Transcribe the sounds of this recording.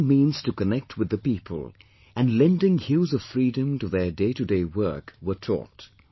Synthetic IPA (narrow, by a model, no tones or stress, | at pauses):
mĩːnz̥tukənɛk̚tʰwɨðəpipʰə̰lˠ | ɨ̃nlɛ̃ndɪ̃ŋhuːzʌv̥fɹidɨ̃mtuðə˞deɪtɨdeɪwɜ˞kwə˞tʰɔ̰t